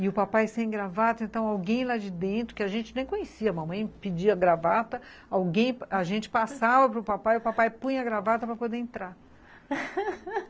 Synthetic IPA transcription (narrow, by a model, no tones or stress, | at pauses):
ɪʊpapajsẽj̃ɡɾavat̪ʊẽnt̪ɐ̃w̃awɡẽj̃lad͡ʒɪd̪ẽnt̪ɾʊkɪaʒẽnt͡ʃɪnẽj̃kõɲesiɐmɐ̃mɐ̃j̃pɪd͡ʒiɐɡɾavat̪ɐ | awɡẽj̃paʒẽnt͡ʃɪ̥pasavɐpɾʊpapajʊpapajpũj̃ɐɡɾavat̪ɐpɾɐpod̪eẽnt̪ɾa